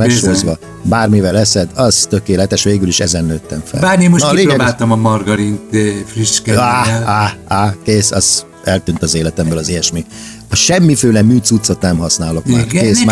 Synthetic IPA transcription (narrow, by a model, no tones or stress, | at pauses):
ɛʃozʋɒ | baːrmivɛlɛsɛd̪ɒz̥t̪økeːlɛt̪ɛʃʋeːɡyliʃɛzɛnːøːt̪ːɛɱfɛ̰lbaːrnemːonileːɾobaːt̪ɒmɒmɒrɡɒɾint̪friʃkɛaaakeːsɒz̥ | ɛlt̪ynt̪ɒzeːlɛt̪ɛmbøːlɒzijɛʃmi | ɒʃɛmːiføːlɛmyːt̪sut̪so̞t̪nɛmɦɒsnaːlo̞kma̰ːkeːsm